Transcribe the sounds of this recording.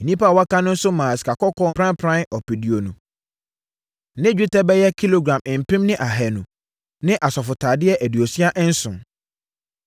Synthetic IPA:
nĩ˦pa˦˨wa˦kã˦nʊ̃˦n̩˦sʊ˦mã˨si̥˨ka˨kɔ˦kʰɔ̃˦pʰɾã˦mpʰɾã˦nɔ˨pi˨di˨o˨nũ˨ | nɪ̃˦d͡ʑᶣi˦tʰɛ˦bɛ˦jɛ˦kʰi˦lo˨ɡɾã˨mɪ̃˨m̩˨pʰɪ̃˦mnɪ̃˦ʔa˨ɦɛ˨nũ˨ | nɪ̃˦ʔa˨sɔ˨fʊ˨tʰa˨dɪ˦ɛ˦ʔæ˨di˨o˨si˦a˦ʔn̩˦sʊ̰̃˨n

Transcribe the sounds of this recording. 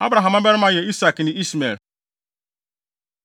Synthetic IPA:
a˦bɾa˨ɦa˨m˦a˦be˦ɾɪ˦ma˦je˨i˦sa˨kni˨i˦sme˨l

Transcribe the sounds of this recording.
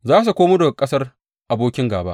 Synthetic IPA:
zaː˦s̬u˨kʷoː˦mʊ˦do˨kʼɐ˦sɐ˦r | ʔa˨boː˦kʲɪ˦ŋɡaː˨ba̰˦ʔ

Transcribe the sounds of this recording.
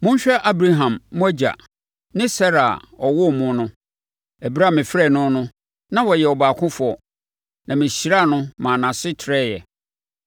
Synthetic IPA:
mʊ̃˦ɲ˦ɕᶣɛ˦ʔa˦bɾa˦ɦã˨mmʊ̃˦æ˦d͡ʑa̰˨ | nɪ̃˦sɛ˦ɾa˨ɔ˨wʊ˦mʊ̃˦nʊ̃˦ | æ˨bi˦ɾa˦˨mɪ̃˨fɾɛ˦˨nʊ̃˦nʊ̃˦ | nã˦wɔ˨jɛ˨ɔ˨baː˨kʰʊ̃˦fʊ˨˦ɔ˨ | nʔã˨mɪ̃˨ɕi˨ɾa˦˨nʊ̃˦mã˨nã˨sɪ˦tʰɾɛ˦˨jɛ˨

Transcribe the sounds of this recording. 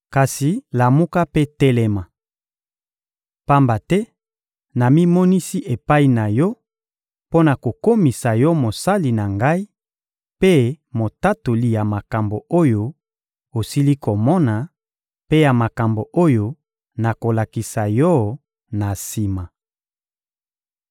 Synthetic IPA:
ka˨si˨la˨mu˦ka˦pe˦tɛ˦lɛ˦ma˨ | pa˦mba˨tɛ˦ | na˨mi˦mɔ˦ni˦si˦ʔe˨pa˦i˨na˨jɔ˦ | po˦na˨ko˨ko˦mi˨sa˨jɔ˦mo˨sa˦li˨na˨ŋɡa˦i˦ | pe˦ | mo˨ta˦to˨li˨˦ja˨ma˨ka˨mbo˨o˦jo˦ | o˨si˦li˦ko˨mɔ˦na˨ | pe˦ja˨ma˨ka˨mbo˨ʔo˦jo˦ | na˨ko˨la˨ki˨sa˨jɔ˦ | na˨si˨ma˨

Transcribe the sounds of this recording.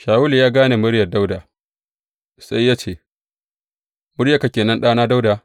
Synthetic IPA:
ʃaː˨wʊ˦ljaː˦ɡaː˦neː˨mʊ˦ɽjɐ˨da˦wda˨ | sʼa˦jːaː˦t͡ʃeː˦˨ | mʊ˦ɽja˦ka˨kʲeː˨nɐ˦nɗaː˦naː˦da˦wda˨

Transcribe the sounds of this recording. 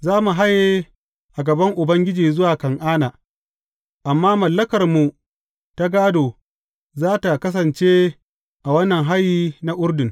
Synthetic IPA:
zaː˦mu˨ɦa˦jːe˦ | ʔa˨ɡɐ˨bɐ˦ŋʔʊ˨bɐ˦ŋɡʲɪ˦d͡ʒiː˨zʊ˦waː˨kɐ˨ŋʔaː˦naː˨ | ʔa˨mːaː˦mɐ˨lːɐ˦kɐ˨rmu˨ | ta˦ɡaː˦doː˨ | zaː˦ta˨kɐ˦s̬ɐ˨nt͡ʃeː˦ | ʔa˨wɐ˦nːɐ˨ŋɦa˦jiː˦na˦ʔʊ˦ɾdɪ˨ŋ

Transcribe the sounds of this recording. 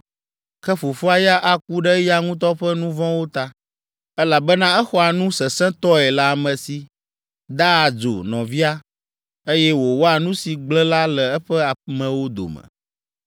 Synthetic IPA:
kɛ˦fo˨fu˦a˨ja˦ʔa˨k̚u˦ɖɛ˦ja˦ŋũ˦t̪̬ɔ˦ɸɛ˦nũ˦vɔ̃˦wo˦t̪a˦ | ɛ˦la˨bɛ˦nã˦ɛ˦xɔ˦a˨nũ˦sɛ˨sɛ̃˦t̪ɔ˦ɛ˨la˦a˨mə̃˨si˨ | d̪a˦a˨d͡ʒo̰˨nɔ̃˨vi˦a˦ | e˦jɛ˦wo˨wo˦a˨nũ˦si˨ɡ͡blɛ˦la˦lɛ˨ɛ˦ɸɛ˦a˨mɛ̃˨wo˦d̪o̰˨mə̰̃˨

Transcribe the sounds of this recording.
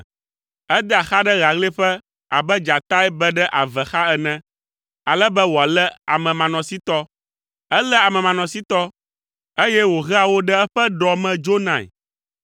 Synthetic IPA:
ɛ˦d̪ɛ˦a˨xa˦ɖɛ˦ɣa˨ɣle˦ɸɛ˦ | a̰˨bɛ˦d͡ʒa˨t̪a˦ɛ˦bɛ˦ɖɛ˦ʔa˨vɛ˨xa˦ɛ˨nɛ̃˦ | a˨lɛ˦bɛ˦wo˨a˨lɛ˦a̰˨mɛ̃˨mã˨nɔ̃˨si˦t̪ɔ˦ | ɛ˦lɛ˦a˨mɛ̃˨mã˨nɔ̃˨si˦t̪ɔ˦ | e˦jɛ˦wo˨ɣɛ˦a˨wo˦ɖɛ˦ɛ˦ɸɛ˦ɖɔ˨mɛ̃˨d͡ʒo˦nã̰˨

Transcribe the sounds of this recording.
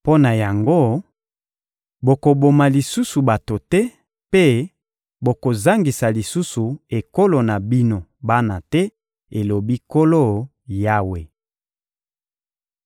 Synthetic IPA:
po˦na˨ja˨ŋɡo˦ | bo˨ko˨bo˨ma˨li˨su˦su˨ba˨to˨tɛ˦ | pe˦ | bo˨ko˨za˦ŋɡi˨sa˨li˨su˦su˨e˨ko˦lo˨na˨bi˦no˨ba˦na˨tɛ˦ | e˨lo˨bi˦ko˦lo˦˨ | ja˦we˨

